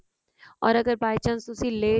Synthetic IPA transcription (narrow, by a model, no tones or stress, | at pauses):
ɔːɾɐɡəɾbaːjt͡ʃɐ̃nsʊsileː